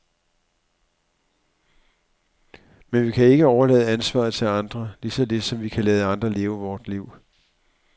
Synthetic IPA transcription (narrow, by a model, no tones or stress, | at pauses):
menʋikʰæe̝ɡ̥əɒʊɐlɛ̰ːðˠænsʋɑ̰̈ːð̩ˠt͡sʰe̝lɑ̈nd̥ʁɐlisɒ̽le̝d̥sɒ̽mʋikʰælɛːð̞ˠɑ̈nd̥ʁɐle̝ːʊəʋɒːd̥liʊ̰